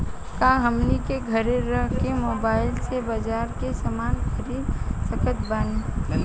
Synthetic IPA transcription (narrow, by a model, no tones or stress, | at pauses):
kãɦəmnikeɡʱəɾeɾəɦkemoːbaːɪlsebəd͡ʒaːɾkesəmaːnkəɾiːb̪səkət̪baːni